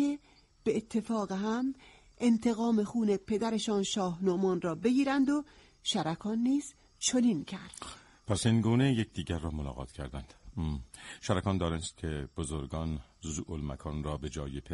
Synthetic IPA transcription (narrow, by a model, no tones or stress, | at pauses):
e | b̥eːt̪ʰːe̞fɒːɣeɦæm | ʔent̪ʰeɣɒːme̞xuːnepʰe̞d̪æɾeʃɒːnʃɒːhnomɒːnrɒːbe̞ɡiːɾænd̪o | ʃæɾækʰɒːnːiːz̥ | t͡ʃʰonincʰæɾd̥̪ | pʰæsinɡuːnejek̚d̪iːɟæɾːɒːmolɒ̰ːɣɒ̰ːt̪cʰæɾd̪ænd̪̥ | ʃæɾækɒːnd̪ɒːɾenst̪̚kʰeb̥ozoɾɡɒːnzuʔolmæ̰kʰɒːnɾɒːbe̞d͡ʒɒːjepʰe